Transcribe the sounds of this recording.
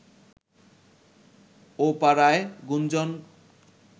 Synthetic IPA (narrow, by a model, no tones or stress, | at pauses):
opaɾaeɡund͡ʑɔn